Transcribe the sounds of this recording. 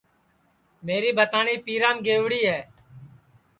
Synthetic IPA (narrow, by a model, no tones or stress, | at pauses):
meːɾiːbʱət̪aːɳiːpiːɾãːmɡeːʋɽiːɦɛː